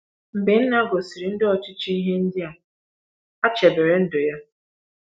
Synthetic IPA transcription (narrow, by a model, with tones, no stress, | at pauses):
m̩˨be˨n̩˦na˦ɡo˨si˨ɾi˨n̩˦dɪ˦ɔ˨t͡ʃɪ˦t͡ʃi˦i˦ɦe˦n̩˦dɪ˦a˨ | a˦t͡ʃe˨be˨ɾe˨n̩˦dʊ˨ja˦